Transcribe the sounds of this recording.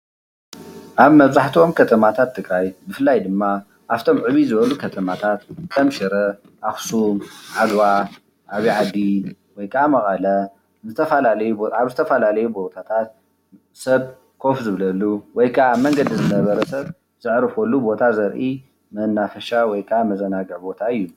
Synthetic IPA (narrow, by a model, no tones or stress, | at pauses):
ʔaβmɐβzaħt̪ʰio̞mkʰɐt̪ʰɐmat̪ʰat̪ʰːɨɡɾajbɨfɨlːajd̪ɨmːa | ʔaβt̪ʰo̞mʕɨβizɨβɐlukʰɐt̪ʰɐmat̪ʰat̪kʰɐmʃɛɾɐ | ʔaxsumʕalwa | ʔaβiʕad̪iwɔjkʰɐʔamɐχʼɐlɐ | zɨt̪ʰɐfalalɐjuaβzɨt̪ʰɐfɐlalɐjubo̞t̪ʰat̪ʰat̪̚ | sɐβ | kʰo̞fzɨβlɐlːuwɔjkʰɐʔamɐŋɡɐd̪izɨnɐβɐɾɐsɐβ | z̥ɨʕɾɨfolːubo̞t̪ʰazɐɾʔi | mɐnːafɐʃawɔjkʰɐamɐzɐnaɡɐʕbo̞t̪ʰaɨjːu